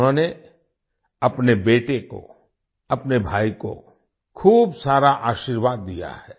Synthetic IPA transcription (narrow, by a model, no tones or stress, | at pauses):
ɦõne | ɐpnebeːʈeko̰ | ɐpnebʱaːiko̰ | kʰuːbsaːɾaʔaːʃiːɾʋaːd̪ːija̰hɛː